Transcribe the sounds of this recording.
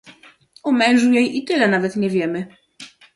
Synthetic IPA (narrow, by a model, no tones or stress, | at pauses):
umɛ̃w̃ʐujɛjʔit̪ɘlɛnavɛt̪ɲɛvʲjɛmɘ